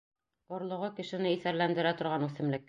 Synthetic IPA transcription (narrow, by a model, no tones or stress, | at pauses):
ŏɾlˠŏʁɤkɘ̆ʃɘ̆nɘiθæɾlænd̪ɘ̆ɾæt̪ŏɾʁɑnʉθɘ̆mlɘkː